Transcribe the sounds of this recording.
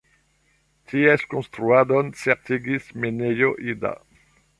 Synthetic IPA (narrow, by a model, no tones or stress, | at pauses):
t̪iɛskõst̪ɾuad̪ɔnsɛʁt̪iɡismenejoʔid̪a̰